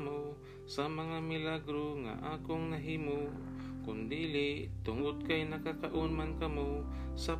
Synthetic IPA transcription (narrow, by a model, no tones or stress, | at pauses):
mo | samɐŋamɪlaɡɾoŋa̰ʔaːkoŋnaɦiːmo | kʊnd̪iːlɪt̪ʊŋʊd̪̚kajnakakaʔʊnmankɐmo | sa